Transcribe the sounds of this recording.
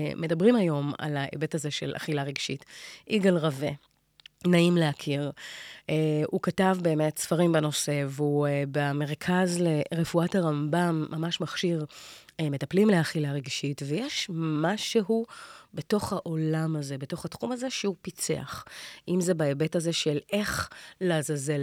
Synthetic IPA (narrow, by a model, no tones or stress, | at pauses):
me̞dɐbʁimajo̞ma̰laʔḛbe̞tazeʃe̞̰lʔa̰χilaʁeɡʃitʔiɡalʁave̞ | naimleakʰiʁeukatavbe̞ːme̞tsfaʁimbeno̞se̞veubame̞ʁkʰazleʁefuathaʁambamːamaʃmaχʃiʁeme̞tɐplimleaχilaʁeɡʃitvejeʃmaʃeɦubeto̞χhaʔo̞lamaze̞beto̞χhatχumaze̞ʃehupit͡se̞̰a̰χʔimze̞baebe̞taze̞ʃele̞χlezaze